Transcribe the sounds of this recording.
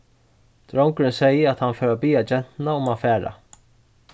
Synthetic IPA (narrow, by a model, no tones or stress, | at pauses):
d̪̥ɾowŋkɾɪnsɛjəat̪hanfœːɾabiːad͡ʒɛn̥t̪naʊmafæːɾa̰